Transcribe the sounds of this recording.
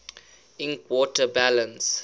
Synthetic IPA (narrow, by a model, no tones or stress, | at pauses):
ɪ̃nkʰwɔtəbælə̃ns